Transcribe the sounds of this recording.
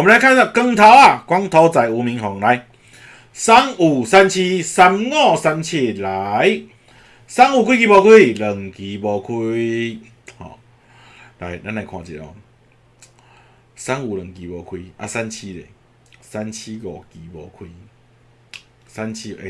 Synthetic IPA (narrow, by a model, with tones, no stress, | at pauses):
ɔ˨m˨˧˦a˧˦jkʰa˥˧nsa˧˩kə˧ŋt̪ʰa˧˦wa˨˩kwa˦ŋt̪ʰɔ˧˦t͡sa˨˩ju˨˧mĩ˧˦ŋɦɔ˨ŋla˧˦j | sa˦ŋu˨˩sa˦nt͡ɕʰi˦sa˧mŋɔ˥˧˨sa˧mt͡ɕʰje˧˨la˨˦˨j | sa˦˥ŋu˨˩kʰwi˦k̬i˧bɔ˧kʰwi˦˨lə˨˩ŋki˨˩bɔ˧kʰu˦ | hɔ̰˨ | la˧˩jɾa˦nla˨jkʰwã̰˧t͡ɕḭ˨t̚ɔ̰˨˦ | sa˦ŋu˨lə˨˩ŋki˨bɔ˧kʰwi˧ʔa̰˧sa˦nt͡ɕʰi˦lḛ˨ | sa˦nt͡ɕʰi˦ɣɔ̰˨˩ki˨bɔ˧kʰwi˧ | sa˦nt͡ɕʰi˦e˧˨